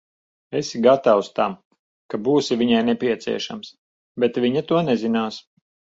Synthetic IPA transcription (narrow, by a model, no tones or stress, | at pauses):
esɡat̪awst̪am | kabuːsivʲiɲajnɛpʲiɛt̪sḭɛʃa̰ms | bɛt̪vʲiɲat̪uɔnɛzinaːs